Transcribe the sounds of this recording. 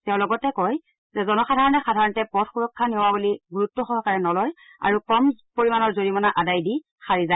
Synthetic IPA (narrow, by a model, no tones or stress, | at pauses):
tɛʊ̃lɔɡɔtɛkɔj | zɛzɔnɔxadʱaɹɔnɛxadʱaɹɔntɛpɔdxuɹɔkʰːanewabuliɡuɹutːɔxɔɦɔkaɹɛnɔlɔj | a̰ɹukɔmpoɹimanɔɹzoɹimɔnaʔadajdi | xaɹiza